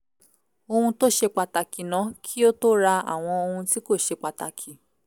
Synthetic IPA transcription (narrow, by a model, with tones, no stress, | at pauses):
o˧hũ˧to˦˨ʃe˧k͡pa˧ta˨ki˨nã˨˦kʰi˦o˦to˦ɾa˧a̰˨w̃ɔ̃˧o˧hũ˧ti˦ko˦˨ʃe˧k͡pa˧ta˨kʰi˨